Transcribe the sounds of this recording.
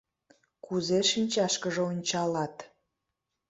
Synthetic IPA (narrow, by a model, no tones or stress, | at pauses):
kuzeʃinʲt͡ɕɑʃkəʒeonʲt͡ɕɑlɑt̪